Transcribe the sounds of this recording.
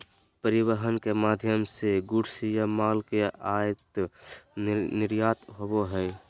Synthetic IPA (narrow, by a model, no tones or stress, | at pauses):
pəɾɪwəɦənkemaːd̪ʱjəmseɡʊɽsijamaːlkeaːjət̪ | nɪɾjaːt̪ɦoboɦɛː